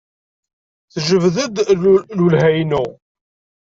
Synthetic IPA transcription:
θʒəvðəd̪lulhæjnu

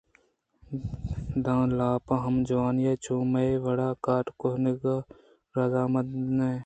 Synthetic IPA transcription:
d̪ãːlaːpãɦɐmd͡ʒɐʋaːnjeːt͡ʃuːmɐeʋɐɽaːkaːʈkoɦniɡa | ɾazaːmɐd̪ne

